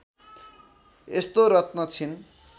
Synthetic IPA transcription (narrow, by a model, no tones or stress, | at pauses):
est̪oɾʌt̪nʌt͡sʰin